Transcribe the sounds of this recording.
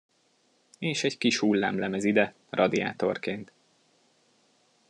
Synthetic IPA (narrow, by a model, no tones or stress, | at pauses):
eːʃɛɟkiʃhulːa̰ːmlɛmɛzid̪ɛ | rʔɒd̪ia̰ːt̪o̞̰rkeːnt̪